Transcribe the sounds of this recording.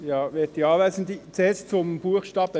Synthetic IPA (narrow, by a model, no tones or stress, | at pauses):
jɑːʋet̚diɑːʋæɪsən̩d̪it͡seːst͡sʊmb̥uəχʃtɑːb̥ə